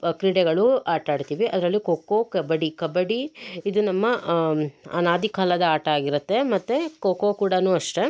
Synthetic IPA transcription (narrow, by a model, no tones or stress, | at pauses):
kɾiːɽɛɡɐɭuaːʈaːɖt̪iːʋiʔɐd̪ɐɾɐlːikoːkoːkɐbɐɽikɐbɐɽiid̪unɐmːɐ | ɐ̰naːd̪ʱikɐɐlɐd̪ɐaːʈɐaːɡiɾut̪ːe̞mɐt̪ːekoːkokuːɽɐnuːɐʂʈe